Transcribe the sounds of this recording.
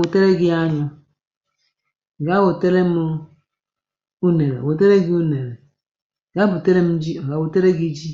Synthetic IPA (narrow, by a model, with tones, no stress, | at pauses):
o˨te˦ɾe˦ɡi˦a˦ɲɔ˦˨ | ɡa˦wo˨te˦ɾe˦m˦ | u˦ne˨ɾḛ˨wo˨t̬e˦ɾe˦ɡi˦u˦ne˨ɾe˨ | ɡa˦bu˨te˦ɾe˦m̩˦d͡ʒi˦˨ɡa˨˦wo˨te˦ɾe˦ɡi˦d͡ʒi˦